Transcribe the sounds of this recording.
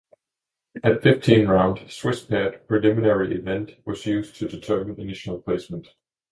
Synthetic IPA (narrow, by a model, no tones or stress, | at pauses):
ɨtfɪftʰĩnɹãʊ̃nd̥swɪspʰɛd̥̚pʰɹ̥ɨlɪmɨnɛɹiʔɪvɛ̃nʔwʌzjʉztʰɨdɨtʰɜ˞mɨ̃nɨdɪʃn̩l̩ˠpʰl̥eɪsmə̃n̩t